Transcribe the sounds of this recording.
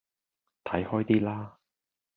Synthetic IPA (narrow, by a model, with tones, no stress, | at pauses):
t̪ʰɐ˨˥jhɔː˥jt̪iː˥laː˥